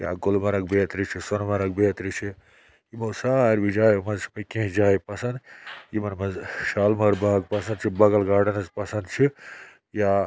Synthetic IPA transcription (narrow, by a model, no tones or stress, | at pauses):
ja̰ːɡolmɐɾɐkbeːɐt̪ɾit͡ʃʰisonmɐɾɐk̚beːɐt̪ɾit͡ʃʰi | jimoːsaːɐɾbid͡ʒaːjomɐnzpɐkẽːɦd͡ʒaːipɐsɐnd̪jimɐnmɐzʃaːlmɐɾbaːɡ̚pɐsɐ̃nd̪t͡ʃʰibɐɡɐlɡaːɖɐnɐzpɐsɐnd̪t͡ʃʰi | jaː